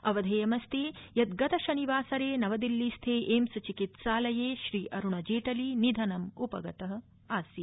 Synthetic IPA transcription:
ɐʋɐd̪ʱeːjɐmɐst̪eːjɐt̪ɡɐt̪ɐʃɐniʋaːsɐɾeːnɐʋɐd̪ilːist̪ʰeːʔeːmsɐt͡ʃikit̪ʃaːlɐjeːʃɾiːʔɐɾuɳɐd͡ʒeːʈɐlinid̪ʱɐnɐmupɐ̰ɡɐt̪ɐɦɐ̆ | aːsi

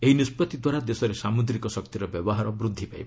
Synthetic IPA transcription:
eɦinispɔt̪id̪waɾad̪esɔɾesamud̪ɾikɔsɔk̚t̪iɾɔbjɔbɔɦaɾɔbɾud̪ʱːipajbɔ

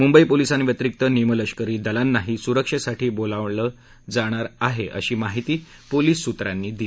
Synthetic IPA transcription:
mumbəipolisanʋjət̪ɾik̚t̪ənimələɕkəɾiːd̪əlanːaɦiːsuɾəkʂəsaʈiːbolaʋləː | d͡zaɽ̃aɾaɦeʔə̰ɕiːmaɦit̪iː | poliːsːut̪ɾanːiːd̪i

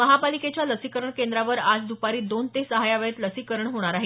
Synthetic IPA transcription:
məɦapaliket͡ɕjaləsikəɾəɳkend̪ɾaʋəɾad͡zd̪upaɾiːd̪ont̪esəɦajaʋəɭet̪ləsikəɾəɳɦoɽ̃aɾaɦe

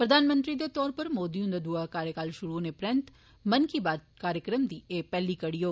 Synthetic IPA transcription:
pɾɐd̪ʱaːnmə̃nt̪ɾid̪et̪ɔːɾpɐɾmoːd̪iũnd̪əd̪uakaːɾjəkaːlʃʊɾunepɾɛ̃nt̪ | mɐnkibaːd̪kaːɾjəkɾəmd̪ieːpɛːlikɐɽijoː

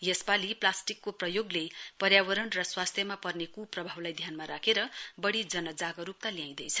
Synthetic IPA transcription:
jʌspaliplasʈikːoprʌjoɡlepʌɾjawʌɾʌɳrʌswast̪ʰjʌmapʌrnekuprʌbʱawlajd̪ʱjanmaɾakʰeɾʌbʌɽid͡zʌnʌd͡zaɡʌɾup̚t̪alijãj̃d̪ʌjt͡sʰʌ

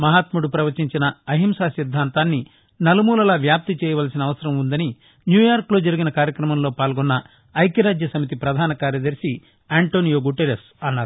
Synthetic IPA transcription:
mɐɦaːt̪muɽupɾɐʋɐt͡ʃiɲt͡ʃinɐɐɦimsaːsid̪ʱːaːnt̪aːnːi | nɐlumuːlɐlaːʋjaːp̚t̪it͡ʃɛːjɐʋaːlsinɐːʋɐsɐɾɐmund̪ɐni | njuːjaːɾklo̞ːd͡ʒɐɾiɡinɐkaːɾjɐkɾɐmɐmlo̞ːpaːlɡɔnːɐː | jkjɐɾaːd͡ʒjɐsɐmit̪̬ipɾɐd̪ʱaːnɐkaːɾjɐd̪ɐɾsi | aːɳʈo̞ːnijoːɡuʈeɾes | ɐnːaːɾuu

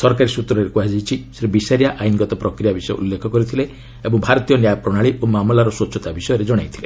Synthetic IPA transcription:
sɔɾkaɾisut̪ɾɔɾekuad͡ʒit͡ʃʰiseɾebisaɾijaʔajnɡɔt̪ɔpɾɔkɾijabisɔjɔ̰ṵlːekʰɔkɔɾit̪ʰile | ebɔŋbʱaɾɔt̪ijɔnjapɾɔɽ̃aɭiʔomamlaɾɔswɔt͡ʃʰɔt̪abisɔjɔɾed͡ʒɔɽ̃ajt̪ʰi̥le

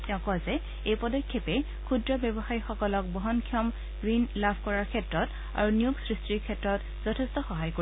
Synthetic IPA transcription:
tɛ̃ʊ̃kɔzɛ | ejpɔdɔkʰːepɛ | kʰudɹɔbjɛbɔxaɹixɔkɔlɔk̚bɔɦɔnkʰiɔm | ɡɹinlabʱkɔɹaɹkʰɛtɹɔt | a̰ɹunijuɡsɹistiɹkʰɛtɹɔt | z̥ɔtʰɛstɔxɔɦajko

